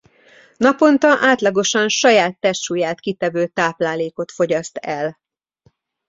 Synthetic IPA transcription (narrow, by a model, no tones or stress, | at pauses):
nɒpo̞nt̪ɒʔaːt̪lɒɡo̞ʃɒnʃɒjaːt̪ːɛʃuːjaːt̪kit̪ɛvøːt̪aːplaːleːko̞t̪fo̞ɟɒst̪ɛl